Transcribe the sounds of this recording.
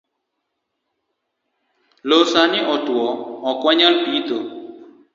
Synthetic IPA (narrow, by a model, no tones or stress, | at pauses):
losanɪɔtwɔɔkwaɲalpit̪o